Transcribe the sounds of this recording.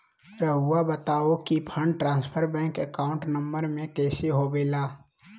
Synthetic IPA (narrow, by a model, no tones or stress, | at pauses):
ɾəɦuabət̪aːokipʰə̃ɳɖʈɾãːnspʰəɾbɛ̃ːŋkəkaːʊ̃ɳʈnəmbəɾmẽkɛːseɦobeːlaː